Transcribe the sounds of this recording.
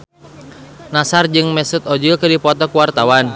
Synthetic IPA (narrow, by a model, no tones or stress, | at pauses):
nasard͡ʒɨŋmɛsut̪ɔd͡ʒulkɨdipɔt̪ɔkuwart̪awan